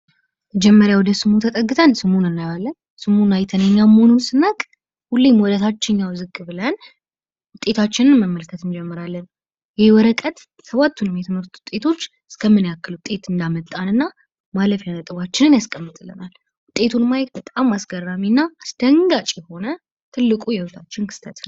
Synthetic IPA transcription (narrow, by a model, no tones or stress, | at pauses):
məd͡ʒɛmːəɾjawɔd̪əsɨmut̪ʰət̪ʼəɡːɨt̪ʰansɨmunɨnːajalːən | sɨmunajt̪ʰənjɛɲːamhonunsɨnəkʼ | hulːemwɔd̪ət̪ʰat͡ʃːɪɲːawzɨkːɨbɨlən | wʊt̪ʼːe̞t̪ʰat͡ʃːɪnɨnməmːəlkʰət̪ɨnd͡ʒɛmːɨɾalːən | jɛwɔɾəkʼət̪ | səβat̪ʰːunɨmjɛt̪ʰɨməɾt̪u̥u̥t̪ʼe̞t̪ʰo̞t͡ʃː | ɨskʰəmːɨnjakːɨləwt̪ʼe̞t̪ɨnd̪amət̪ʼːanɨnːa | maləfjanət̪ʼɨβat͡ʃːɪnɨnjaskʼəmːɨt̪ʼɨlːɨ̰nal | wʊt̪ʼːe̞t̪ʰunmajɛt̪̚bət̪ʼamasɡərːaminːaːsd̪̥əŋɡat͡ʃʼjɛho̞nə | t̪ʰɨlːɨkʼujɛhʊt̪ʰat͡ʃːɪnkʰɨ̥st̪ʰət̪n